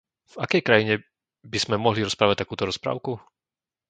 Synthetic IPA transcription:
vakɛjkɾajiɲɛ | biz̥mɛmɔɦliɾɔspɾaːʋac̚t̪akuːt̪ɔɾɔspɾa̰ːʊku

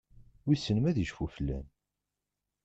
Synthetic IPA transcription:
wisːənmæðiʒfufəlːæ̰n

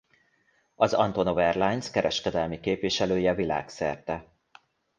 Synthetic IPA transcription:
ɒzɒ̰nt̪o̞novɛrlaːjnskɛɾɛʃkɛd̪ɛlmikeːpʋiʃɛløːjɛvila̰ːksɛ̰rt̪ɛ

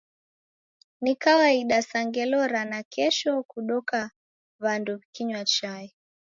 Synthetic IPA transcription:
nikawaiɗasaŋɡɛlɔɾanakɛʃɔkuɗɔka | βanduβikiɲwat͡ʃaɛ

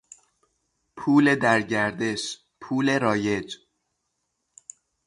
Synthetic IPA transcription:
pʰuːle̞d̪æɾɟæɾd̪eʃ | pʰuːle̞ɾɒːjed͡ʒ

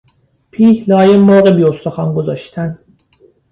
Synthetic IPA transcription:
pʰiːhlɒːjemːɒːɣebiːost̪ʰoxɒːnɡozɒːʃt̪ʰæn

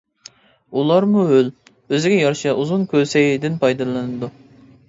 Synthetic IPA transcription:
ulˠɑɾmuøl | øzɪɡʲɛjɑɾʃɑʔuzunkʲʰøsɛjid̪ɪnpʰɑjd̪ɨlˠɨnɨd̪u

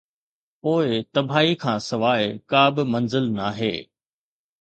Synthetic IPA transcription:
poːɪt̪ɐbʱaːikʰãːsɐʋaːekaːbɪmɐ̃nzɪlnaːɦḛː

